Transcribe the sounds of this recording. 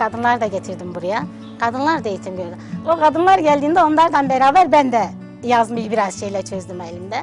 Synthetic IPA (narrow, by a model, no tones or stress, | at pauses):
kʰad̪ɯnlˠaɾd̪aɟe̞t̪ʰiɾd̪imbuɾuja | kʰad̪ɯnlˠaɾd̪ejit̪ʰimɟøɾd̪ɛokʰad̪ɯnlˠaɾɟælʲd̪iːnd̪ɛo̞nlˠaɾd̪anbeɾaːbæɾbænd̪ɛ | jazmɯjbiɾaz̥ʃe̞jlʲɛt͡ʃʰøzd̪ymelʲimd̪ɛ